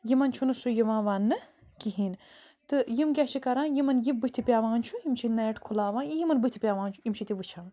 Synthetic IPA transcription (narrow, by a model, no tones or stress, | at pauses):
jimɐnt͡ʃʰunɨsujiʋãːʋaːnːɨ | kiɦiːnt̪ɨjimkʲɐt͡ʃʰikɐɾãːnjimɐnjibɨt̪ʰipʲaːʋãːnt͡ʃʰujimt͡ʃʰinɐʈkʰulaːʋãːnijimɐnbɨt̪ʰi̥pʲaːʋaːnt͡ʃʰujimt͡ʃʰit̪iʋɨt͡ʃʰãːn